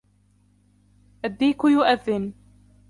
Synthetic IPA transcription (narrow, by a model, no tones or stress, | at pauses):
ʔad̪ːiːkʊjʊʔaðːɪn